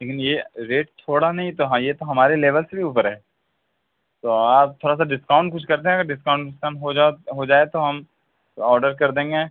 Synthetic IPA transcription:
leːkɪnjeɾeːʈ̚t͡ʃʰoːɽanɐɦĩt̪oɦãjet̪oɦɐmaːɾeleːʋəlsebʱiuːpəɾɦɛː | t̪oːaːp̚t̪ʰoːɾas̬aɖɪskaːʊ̃ɳʈ̚kʊt͡ʃʰkɐɾt̪̬eɦɛ̃ɐɡəɾɖɪskãːʊ̃ɳʈɖɪskaːɳɦoaɦod͡ʒaːet̪oɦɐm | ɔːɾɖəɾkɐɾd̪ẽːŋɡeː

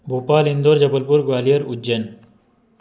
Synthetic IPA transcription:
bupaːlind̪oːɾd͡ʑɐbɐlpuɾɡwaːlijɐɾud͡ʑen

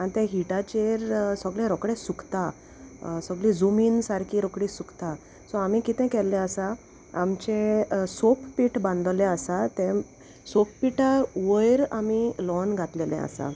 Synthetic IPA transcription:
anit̪ɛ̃ɦiʈat͡ɕeɾsəɡɭẽɾɔkɽẽsukt̪a | səɡlid͡zumiːnsaɾkʰiːɾɔkɽisukt̪a | sɔam̤ikit̪ɛ̃kɛlːɛ̃əsa | amt͡ɕẽsoppiʈbãnd̪lẽəsat̪ɛ̃ | soppiʈaʋəjɾamilɔnɡʱat̪lelɛ̰̃ə̰sa̰

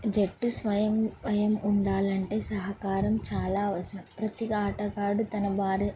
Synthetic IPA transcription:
d͡ʒeʈːusʋɐjɐmɐjɐmuɳɖaːlɐɳʈe̞ːsɐɦɐkaːɾɐmt͡ʃaːlaːʋɐsɐpɾɐt̪ikaːʈɐkaːɖut̪ɐnɐbaːɾi

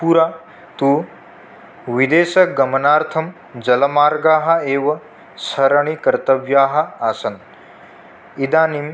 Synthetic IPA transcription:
puɾaː | t̪uː | ʋid̪eːʃɐɡɐmɐnaːɾt̪ʰɐm | d͡ʒɐlɐmaːɾɡaːɦɐ̆eːʋɐ | sɐɾɐɳikɐɾt̪ɐʋjaːɦɐ̆aːsɐn | id̪aːnim

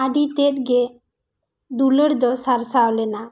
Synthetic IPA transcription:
aɖit̪ɛt̪̚ɡɛ | d̪ulɔɾd̪ɔsaɾsawlɛna

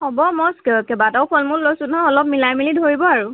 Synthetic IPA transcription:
hɔbɔmɔskɛbadɔwpʰɔlmʊɹlojsʊnɦɔɔlɔp̚milajmilidʱoɹibɔaɹu

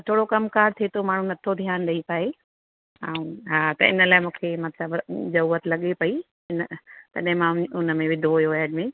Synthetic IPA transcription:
t̪ʰoːɽokɐmkaːɾt̪ʰiet̪ʰomaːɳ̤ũnɐt̪ʰod̪ʱijaːnɗɐipɐːe | ɐũɦaːt̪ɐ̰ɪ̰nəlaːɪmũːkʰemɐt̪ləbzɐɾuːət̪lɐɠepɐi | ɪnt̪ɐɗɦɪ̃mãʊnəmẽʋɪd̪ʱoɦʊjoʋɛːɖmẽ

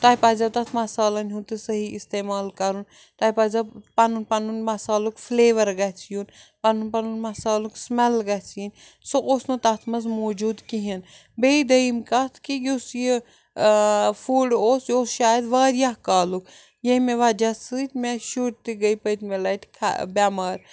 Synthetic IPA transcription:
t̪ɐːipaːzʲɐt̪ɐt̪ʰmɐsaːlɐnʲɦut̪ɨsɐɦiist̪eːmaːlkɐɾun | t̪ɐːipaːzʲɐpɐnunpɐnunmɐsaːlukfleːʋɐɾɡɐt͡sʰijunpɐnunpɐnunmɐsaːluksmɛlɡɐt͡sʰiːnʲ | soʔoːsnut̪ɐt̪ʰmɐzmoːd͡ʒuːd̪kiɦin | beid̪ɐimkɐt̪ʰkijusji | fuːɖoːsjoːsʃaːjɐd̪ʋaːɾjakaːluk | jɐmeʋɐd͡ʒɐt͡sɨt̪ʲmeʃuːʈ̚t̪iɡɐipɐt̪melɐʈʰkʰa̰bʲamɐːɾ

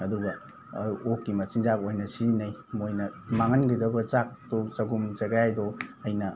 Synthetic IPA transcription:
ɐduɡɐ | okːimɐsinzakojnɐsinɐjmojnɐmaŋɐnɡidɐbɐt͡ʃak̚tut͡ʃɐɡumzɐɡajdɔɐjnɐ

